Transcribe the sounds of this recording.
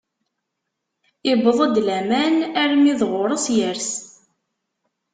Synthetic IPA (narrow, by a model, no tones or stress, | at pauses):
ɪbəðˤəd̪læmænæɾmiðʁʊɾˤəsjəɾs